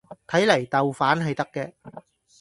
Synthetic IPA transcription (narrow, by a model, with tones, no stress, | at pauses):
t̪ʰɐ˨˥jlɐ˨˩jt̪ɐ˨wfaː˨˥nɦɐ˨jt̪ɐ˥kːɛː˧